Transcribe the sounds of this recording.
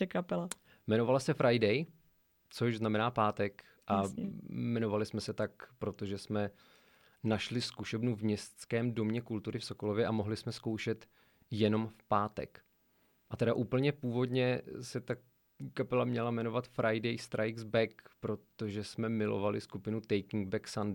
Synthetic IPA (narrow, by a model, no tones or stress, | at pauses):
ɛkapɛla | mɛno̞valasɛfɾʔajdɛj | t͡soʒznamɛnaːpaːt̪ɛk | ʔa | mɛno̞valɪsmɛsɛt̪akpɾo̞t̪o̞ʒɛsmɛ | naʃlɪskuʃɛbnuvmɲɛst͡skɛːmdo̞mɲɛkult̪uɾɪfso̞ko̞lo̞vjɛʔamo̞ɦlɪsmɛsko̞wʃɛt̪ | jɛno̞mfpaːt̪ɛ̰k | ʔat̪ɛdaʔuːpl̩ɲɛpuːvo̞dɲɛsɛt̪a | kapɛlamɲɛlamɛno̞vat̪fɾʔajdɛjst̪ɾʔajɡzbɛkpɾo̞t̪o̞ʒɛsmɛmɪlo̰valɪskupɪnut̪ɛjkɪŋɡbɛksand